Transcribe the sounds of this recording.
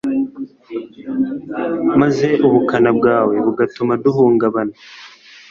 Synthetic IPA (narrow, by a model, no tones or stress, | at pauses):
maze̞ʔuβukanabɡaːwe̞βuɡatumaduɦuːŋɡaβana